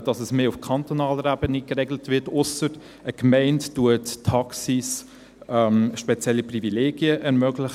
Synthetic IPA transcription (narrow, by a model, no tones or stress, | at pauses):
d̥ɑsəsmeːʊfkʰɑntonɑːləɾæbənikɾɛɡlətvɪtʊsəɾ | əkmɛɪnttuəttʰɑksis | ɛmʃpɛt͡sjɛlːiprivileːɡiəʔɛɾmœɡlɪχ